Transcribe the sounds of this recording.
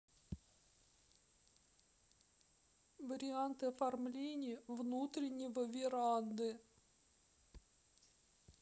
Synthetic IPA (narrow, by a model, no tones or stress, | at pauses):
vəɾʲɪant̪ɨɐfɐrmlʲenʲɪjəvnut̪ɾʲɪnʲːɪvəvʲɪɾand̪ɨ